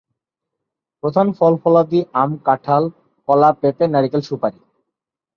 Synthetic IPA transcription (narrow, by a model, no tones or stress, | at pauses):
pɾod̪ʰʱanfɔlfɔlad̪iamkaʈʰal | fʰɔlapepenɛɾikelʃupaɾi